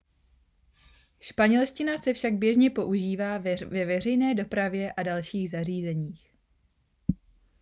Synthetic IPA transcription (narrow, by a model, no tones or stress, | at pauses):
ʃpaɲɛlʃcɪnasɛfʃaɡ̚bjɛʒɲɛpo̞ʔuʒiːvaːvɛvɛr̝ɛjnɛːdo̞pɾavjɛʔadalʃiːɣzariːzɛɲiːx